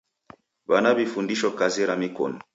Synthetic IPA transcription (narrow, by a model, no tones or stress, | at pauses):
banabifundiʃɔkaziɾamikɔ̰nɔ